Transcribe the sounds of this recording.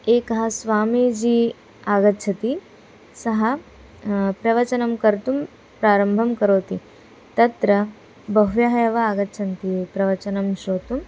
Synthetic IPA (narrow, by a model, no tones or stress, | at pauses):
eːkɐɦɐsʋaːmid͡ʑiː | aːɡɐtːt͡ʃʰɐt̪i | sɐɦɐ | pɾɐʋɐt͡ʃɐnɐmkɐɾt̪um | pɾaːɾɐmbʱɐmkɐɾoːt̪i | t̪ɐt̪ɾɐ | bɐɦʋjɐɦɐjɐʋɐaːɡɐtːʃʰɐnt̪ipɾɐʋɐt͡ʃɐnɐmʃoːt̪um